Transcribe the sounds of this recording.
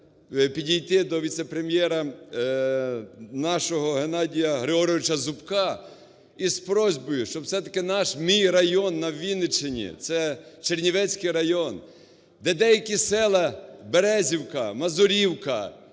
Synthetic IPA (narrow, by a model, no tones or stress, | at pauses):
pʲidʲijt̪ɪd̪ɔʋʲit̪sɛpɾemʲjɛɾɐ | nɑʃɔɦɔɦenɑdʲijɐɦɾɪɦɔɾɔʋɪt͡ʃɐzʊpkɑ | ispɾɔzʲbɔjʊʃt͡ʃɔbwsɛt̪ɐkɪnɑʃmijrɐjɔnːɐʋʲinɪt͡ʃɪnʲḭt̪sɛt͡ʃernʲiʋɛt͡sʲkɪjɾɐjɔn | d̪ɛd̪ɛjɐkʲisɛlˠɐbeɾɛzʲiwkɐmɐzʊɾʲiwkɐ